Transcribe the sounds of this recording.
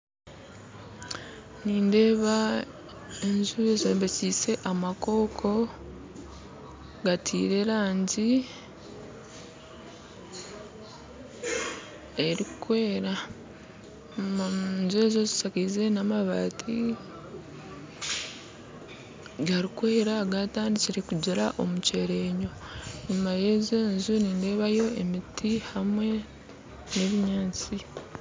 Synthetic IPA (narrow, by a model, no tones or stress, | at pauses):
niːnde̞ːβa | enzuβezeːmbesise̞ʔamako̞kʰo̞ | ɡatʰḭːɾe̞ɾaːɲɟi | eɾikwe̞ːɾa | nzue̞zo̞zi̥sakaze̞namaβa̰ːtʰi | ɡaɾikwe̞ːɾaɡataːndit͡siɾekuɟiɾaʔo̞muce̞ɾeːɲo̞ | nimajezeːnzuniːnde̞βajo̞e̞mitʰihamwe̞ | ne̞βiɲaːt͡si